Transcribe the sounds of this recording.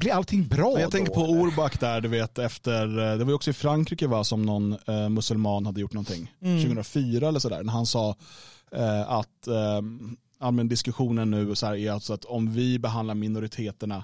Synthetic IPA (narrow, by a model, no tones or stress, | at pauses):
blɪɾalt̪ʰɪŋːbɾɑːɛjaɡ̪ʰɛŋkəɾpʰɔuɾbakːd̪æɖɵveːt̪ɛft̪əɾd̪ɛvajʏɔksɔɪfɾaŋkʰɾiːkəvasɔmnɔnmɵsɵlmɑːnhad̪ːəjʊʈːɳnɔnt̪ʰɪŋːʃʉ̟ɡəənɾafyːɾaɛlːəʂɔd̪æ̰ːɾnæɾhansɑː | at̪ | aːlmɛnd̪ɪskɵɧuːnənːʉ̟ːɔsɔæːɾæɾalsɔat̪ɔmvɪbɛɦand̪laɾmɪnʊɾɪt̪ʰeːt̪əɳa